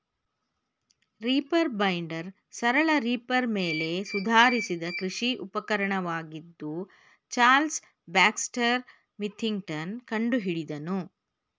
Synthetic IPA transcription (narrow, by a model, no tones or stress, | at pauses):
ɾiːpɐɾbɐjɳɖɐɾ | sɐɾɐɭɐɾiːpɐɾmeːle̞sud̪ʱaːɾisid̪ɐkɾiʂiʔupɐkɐɾɐɳɐʋaːɡid̪ːu | t͡ʃaːls | baːksʈɐɾ | mit̪ʰːiŋɡʈɐnkɐɳɖuɦiɽid̪ɐnu